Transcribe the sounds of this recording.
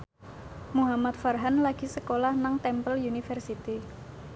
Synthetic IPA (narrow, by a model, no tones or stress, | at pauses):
muɦamat̪̚farɦanlaɡ̥i̤səkolahnaŋt̪ɛmpəljunifɛrsit̪i